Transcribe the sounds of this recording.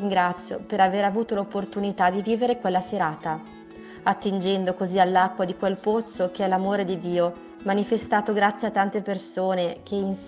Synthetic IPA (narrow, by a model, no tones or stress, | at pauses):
iŋɡɾat̪sːjo̰peɾaveːɾavuːt̪olopːort̪unit̪ad̪iviːveɾekwelːaseɾaːt̪a | at̪ːind͡ʒɛnd̪okozialːakːwad̪ikwelpot̪sːok̟eɛlamoːɾed̪id̪iːo | manifest̪aːt̪oɡɾat̪sːjeat̪ːant̪epersoːnek̟ʰeins